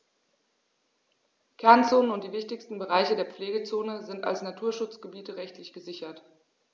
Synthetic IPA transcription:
kʰɛɐnt͡soːnənʊnt̚d̥iːvɪçtɪçstn̩bəʁ̞aɪçədeːɐp͡fleːɡət͡soːnəzɪnta̰lsnatʰuːɐʃʊt͡sɡ̥əbiːtəʁɛçtlɪçɡ̥əzɪçɐt

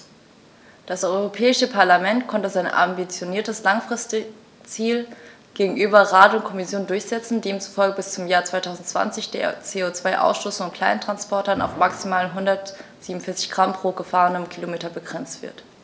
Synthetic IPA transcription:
d̥asʔɔʏʁopʰɛːɪʃəpʰaɐlamɛntkʰɔntəzaɪnʔa̰mbit͡sjoniːɐtəslaŋfʁ̥ɪst | t͡siːl | ɡ̥eːɡŋ̩ʔyːbɐʁaːdəʊntkʰɔmɪsjoːndʊɐçz̥ɛt͡sn̩deːmt͡su̥fɔlɡəbɪst͡sʊmjaːɐt͡sv̥aɪtʰaʊzn̩tt͡sv̥a̰nt͡sɪçd̥ḛɐt͡seːot͡sv̥aɪʔa̰ʊsʃtoːsn̩ʊntkʰl̥aɪnəntʁ̥anspʰɔɐtɐna̰ʊfmaksimaːlənɦʊndɐtz̥iːmnʊn̩fɪɐt͡sɪ̥çɡ̥ʁ̥ampʁ̥oːɡ̥əfaːʁənəmkʰilomeːtɐbəɡʁɛnt͡stv̥ɪ̰ɐt

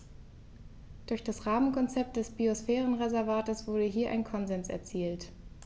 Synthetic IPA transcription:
d̥ʊɐçd̥asʁaːmənkʰɔnt͡sɛp̚t̚d̥ɛsb̥iosfɛːʁən̩ʁezɛɐvaːtəsv̥ʊɐdəɦiːɐʔa̰ɪnkʰɔnzɛnsɛ̰ɐt͡siːlt

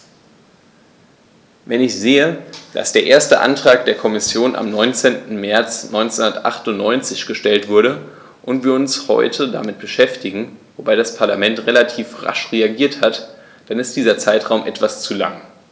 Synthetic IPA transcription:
vɛnɪçz̥eːəd̥a̰sd̥eːɐʔeːɐstəʔa̰ntʁ̥aːk̚d̥eːɐkʰɔmɪsjoːnʔa̰mnɔʏnt͡seːntn̩mɛɐt͡snʔɔʏnt͡senʊnɐtʔa̰χtʊntnɔʏnt͡sɪçɡ̥əʃtɛltv̥ʊɐɾə | ʔʊntv̥iːɐʊnshɔ̰ʏtʰəda̰mɪt̚b̥əʃɛftɪɡŋ̩vobaɪɾaspʰaɐlamɛntʁelatʰiːfʁa̰ʃʁeaɡiːɐthat | d̥anɪst̚d̥iːzɐt͡saɪtʁ̥aʊmʔɛtv̥ast͡sula̰ŋ

